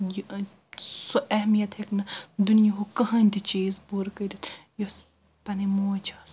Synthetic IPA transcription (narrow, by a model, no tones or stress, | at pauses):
j | soʔɐɦmijɐt̪heknɐd̪unijɐɦokɐɦɐnʲt̪it͡ʃiːzbuɾkɐd̪ʲit̪jos | pɐnimoːt͡ʃʰɐːs